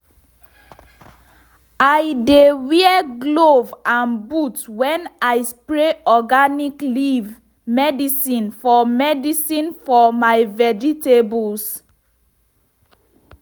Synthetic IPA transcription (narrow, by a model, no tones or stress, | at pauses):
ajdewiɛɡlovãnbutwɛ̃naɪspɹeɔɡanikliv | mɛdisĩnfɔmɛdisĩnfɔmajvɛd͡ʒitebuls